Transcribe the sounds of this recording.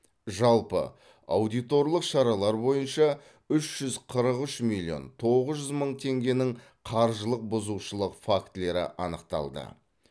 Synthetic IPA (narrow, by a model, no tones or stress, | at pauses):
ʒɑlˠpə̰ | awd̪ijt̪o̞ɾlˠəqʃɑɾɑlˠɑɾbo̞jənʃɑ | ʏʃʒ̥ʏzqʰəɾəqʏʃmilʲːio̞̰nt̪ʰo̞ʁəzʒʏzməɴt̪ʰe̞ŋɡʲe̞nɪŋ | qʰɑɾʒəlˠəq̚bʊzuwʃəlˠəqfakt̪le̞ɾɪ̰ʔɑ̰nəqt̪ɑ̰lˠd̪ə̰